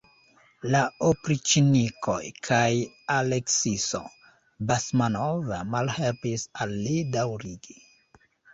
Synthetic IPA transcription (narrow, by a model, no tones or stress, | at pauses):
laopɾit͡ʃinikojkʰaj | aleksiso̰ | basmanovamalhe̞lpisalːidawɾiɡi